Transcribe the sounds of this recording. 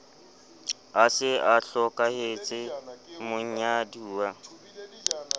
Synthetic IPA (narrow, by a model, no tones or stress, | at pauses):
asɪaɬɔkʼahet͡sʼɪmʊɲ̩ɲaduːwa